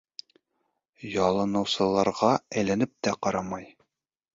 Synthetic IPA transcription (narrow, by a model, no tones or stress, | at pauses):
jɒlˠɤ̆nɤ̆wsɤ̆lˠɑɾʁɑæjlænɘp̚t̪æqɒɾɑmɑj